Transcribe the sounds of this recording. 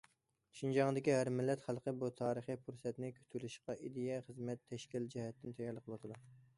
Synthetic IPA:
ʃind͡ʒɑŋd̪ɪkʲiɦæɾmɪlːɛt̪χælˠqʰəbut̪ʰɑːɾəχipʰuɾsɛt̪nɪkʲʰø̥t̪ʰylɪʃqɑʔid̪ɪjɛχəzmɛt̪ʰːɛʃkʲild͡ʒɛhɛt̪ːɪnt̪ʰɛjɑɾlˠəqʰlˠwɑt̪ʰɨd̪u

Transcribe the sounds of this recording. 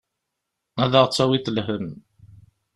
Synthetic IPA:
æðəʁt͡sːæwiθəlɦəm

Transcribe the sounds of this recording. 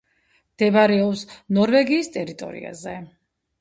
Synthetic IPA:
md̪̥ɛbaɾɛɔpsnɔɾvɛɡiːst̪ʼɛɾit̪ʼɔ̰ɾḭa̰zɛ

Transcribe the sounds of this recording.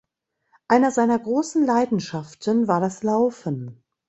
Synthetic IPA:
ʔaɪnɐzaɪnɐɡʁoːsn̩laɪdn̩ʃaftənvaːɐdaslaʊfən

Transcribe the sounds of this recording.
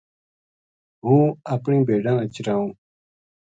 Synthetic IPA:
ɦũːɐpɳĩːbeːɖãːət͡ɕɾãːũː

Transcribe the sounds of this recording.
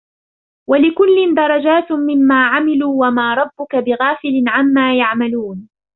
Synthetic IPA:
walɪkʊlːɪnd̪ɑɾˤɑd͡ʒaːt̪mɪmːaːʕamɪluːwamaːɾˤɑbːʊkabɪɣaːfɪlɪnʕamːaːjaʕmaluːn

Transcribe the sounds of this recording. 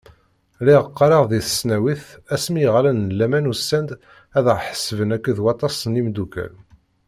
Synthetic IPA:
liʁəqːɑɾɑʁðiθə̥snæwiθæsmiʁlænəlːæmænusːænd̪ | æðʁħə̥səvənækːəðwɑt̪ˤɑsənimd̪ukæ̰l

